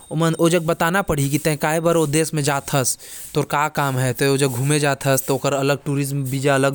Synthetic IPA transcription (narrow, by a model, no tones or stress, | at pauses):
omɐnoːd͡ʒɐɡ̚bɐt̪aːnapɐɽ̤ikit̪ẽkaːebaːɾod̪eːsmẽd͡ʒaːt̪ʰɐst̪oːɾkaːkaːmɦɛt̪ood͡ʒɐɡʱuːmed͡ʒaːt̪ʰɐst̪oːkəɾɐləɡ̚ʈuːɾɪzmbiːd͡ʒaɐləɡ